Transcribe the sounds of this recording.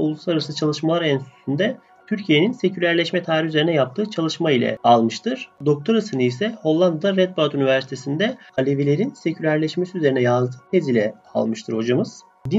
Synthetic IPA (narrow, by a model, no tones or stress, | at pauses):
olˠuslˠaɾasɯt͡ʃʰalˠɯʃmalˠaɾɛnsysynd̪ɛ | t̪ʰyɾcʰije̞ninse̞cʰylʲæɾlʲɛʃmɛt̪ʰaːɾiyzeinɛjap̚t̪ʰɯːt͡ʃʰalˠɯʃmailʲɛ̰alˠmɯʃt̪ʰɯɾ̥d̪o̞k̚t̪ʰoɾasɯnɯisɛho̞lˠːand̪d̪aɾɛt̪̚bat̪ynivæɾsi̥t̪ʰe̞sind̪ɛalʲevilʲe̞ɾinse̞cʰylʲæɾlʲɛʃmesiyze̞ɾinɛjazd̪ɯːt̪ʰezilʲɛ | a̰lˠmɯʃt̪ʰɯɾho̞d͡ʒamɯz̥ | d̪i